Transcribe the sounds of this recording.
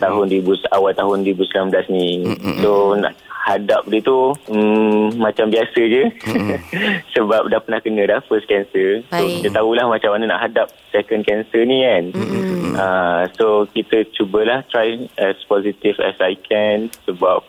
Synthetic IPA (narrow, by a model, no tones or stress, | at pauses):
t̪aɦʊndibusawalt̪aɦʊndibuslamblasnĩsona̰ʔhadap̚diət̪u | mãt͡ʃambiasəd͡ʒə | səbap̚dahpənahkənə̃dahfəskɛnsəsokit̪ət̪aulahmat͡ʃamanəna̰ʔɦadap̚sɛkənkɛnsənĩkan | əsokit̪ət͡ʃubəlaht̪ɾajɛspɔsit̪ifɛ̰sajkʰɛnsəbap̚